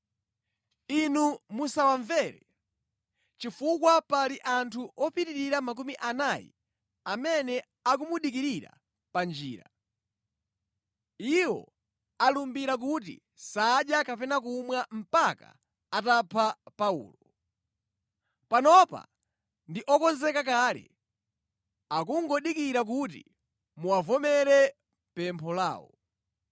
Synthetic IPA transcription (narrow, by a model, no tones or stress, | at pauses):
inumusawaɱvɛɾɛ | t͡ʃifukwapaliʔantʰuʔɔpitiɾiɾamak̬umiʔanajḭ | amɛnɛ | ak̬umuɗik̬iɾiɾa̰ | pand͡ʒḭːɾa | iwɔ̰ | alumbiɾak̬ut̬ḭ | saɗjakapɛnakumwam̩paka̰ | atapʰapaṵːlɔ | panɔpa̰ | ndiʔɔkɔnzɛkak̬aːlɛ̰ | akuŋɡɔɗikiɾak̬utḭ | muavɔmɛɾɛ | pɛmpʰɔla̰ːwɔ̰